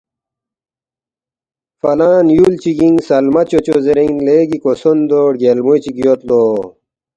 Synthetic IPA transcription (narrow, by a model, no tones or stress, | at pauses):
fɐlaːnjult͡ɕiɡiŋsɐlmɐt͡ɕot͡ɕozeɾinleːɡikosond̪oːɽɡelmujt͡ɕiɡijot̪loː